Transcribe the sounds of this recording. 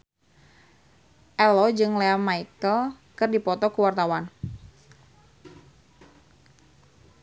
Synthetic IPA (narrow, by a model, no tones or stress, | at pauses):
ʔɛlɔd͡ʒɨŋleamaikəl | kɨrdipɔt̪ɔkuwart̪awan